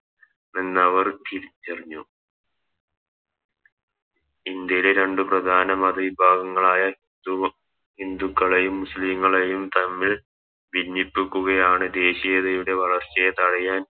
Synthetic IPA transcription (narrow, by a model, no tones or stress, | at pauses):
enːɐʋɐrt̪ilt͡ɕeriɲːu | ind̪jɐjileɾe̞ɳɖɨprɐd̪ʱaːnɐmɐd̪ɐʋibʱaːɡɐŋːɐɭaːjɐind̪u | ɦind̪ukːɐɭejumːusliŋːɐɭejumt̪ɐmːiɭ | ʋinːipːikʲːuɣɐjaːɳɨd̪e̞ːɕijɐðɐjuɽe̞ʋɐɭɐrt͡ɕːɐjet̪ɐɻɐjaːn